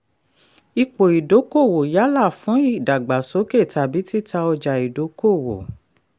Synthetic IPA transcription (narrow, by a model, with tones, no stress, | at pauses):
i˧k͡po˨i˨do˨˦ko˦˨wo˨ja˨˦la˦˨fũ˨˦i˦˨da˨ɡ͡ba˨so˨˦ke˦˨ta˨bi˨˦ti˦ta˧ɔ˧d͡ʒa˨i˨do˨˦ko˦˨wo̰˨